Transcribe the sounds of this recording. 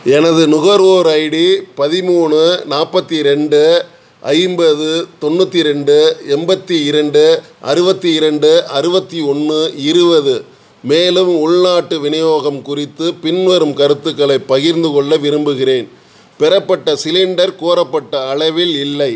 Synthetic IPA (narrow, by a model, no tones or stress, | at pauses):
ɛnɐðɯnʊɣɐɾʋoːɾɐjɽipɐðɪmuːnɯnaːpːɐt̪ːiɾɛɳɖɯ | ʔɐ̰ɪmbɐðɯt̪ɔnːɯt̪ːiɾɛɳɖɯɛmbɐt̪ːiɪɾɐɳɖɯʔɐ̰ɾɯbɐt̪ːiɪɾɐɳɖɯɐɾɯbɐt̪ːiɔnːɯɪɾɯbɐðɯ | meːlɯmʊɭnaːʈːɯʋɪnɐjoːɣɐmkʊrɪt̪ːɯpɪnʋɐɾɯmkɐɾɯt̪ːɯkːɐɭɐɪpːɐɣɪɾnd̪ɯkɔɭːɐʋɪɾɯmbɯɣɪreːn | pɛɾɐpːɐʈːɐsɪlɪɳɖɐɾkoːɾɐpːɐʈːɐːɻɐʋɪlɪlːɐɪ